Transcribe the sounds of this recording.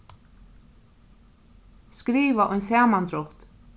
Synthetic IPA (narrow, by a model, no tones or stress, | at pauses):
skɾiːvaʔɔjnsaːmand̪ɾɔht̪